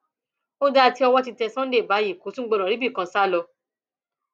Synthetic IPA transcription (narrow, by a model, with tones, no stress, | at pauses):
o˦da˦˧ti˧˦ɔ˧wɔ˧ti˧tɛ˧sã˦de˦˨ba˨˦ji˦˨ko˨˦sũ˦ɡ͡bo˦˧ɾ̃ã˨ɾi˨˦bi˦˨kã˧˦sa˦˨lɔ˧